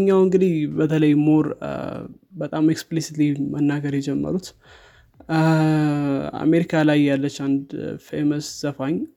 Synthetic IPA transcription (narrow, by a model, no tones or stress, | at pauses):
ɲːawɨŋɡɨd̪ihbət̪ʰələjmoɾ | bət̪ʼameksplisit̪limənːaɡəɾjɛd͡ʒɛmːə̰ɾut̪ | a̰me̞ɾikʰalajːalːət͡ʃːand̪feməsz̥əfaɲ